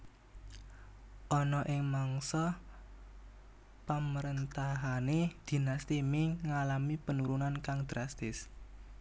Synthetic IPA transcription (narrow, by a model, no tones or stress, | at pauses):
ʔɔnɔʔɪŋmaŋsɔ | paməɾənt̪aɦaned̪̥i̤nast̪imɪŋŋalamipənuɾunankaŋd̪̥ɾast̪ɪs